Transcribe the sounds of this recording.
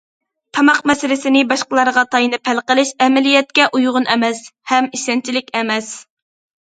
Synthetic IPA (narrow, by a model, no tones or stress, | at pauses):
t̪ʰɑmɑqmɛsɪlɪsɪnɪbɑʃqəlˠɑɾʁɑt̪ʰɑjnɨpʰælˠqəlˠɪʃɛmɪlijɛt̪̚kʲɛʔujʁʊnʔɛmɛshɛmiʃɛnt͡ʃʰilɪkʲɛmɛs